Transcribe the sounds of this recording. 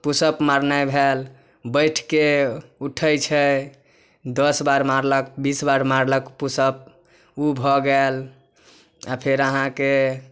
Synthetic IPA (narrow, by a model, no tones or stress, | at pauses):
pusəpmaɾnajbʱel | bəjʈʰkeuʈʰəjt͡ʃʰə | d̪əsbaɾmaɾləkbisbaɾmaɾləkpusəp̚ | ubʱɔɡəl | apʰeɾəɦãke